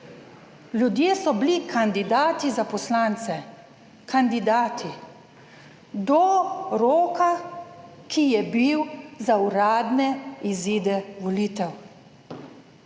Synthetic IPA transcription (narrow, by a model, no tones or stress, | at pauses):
lʲjud̪jeːsɔblikʰand̪id̪aːt̪izapɔslaːnt̪sɛ | kʰand̪id̪aːt̪ʰi | d̪ɔɾoːka | kʰijɛbiwzauɾaːd̪nɛiziːd̪ɛʋɔliːt̪ɛw